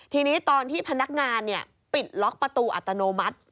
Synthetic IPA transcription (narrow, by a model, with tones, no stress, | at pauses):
t̪ʰiː˧niː˦˥t̪ɔː˧nt̪ʰiː˥˩pʰa˧na˦˥k̚ŋaː˧nːi˥˩ɐ | pi˨˩t̪̚lɔ˦˥k̚pɾa˧t̪uː˧ʔa̰˨˩t̪ːa˧noː˧ma˦˥t̪̚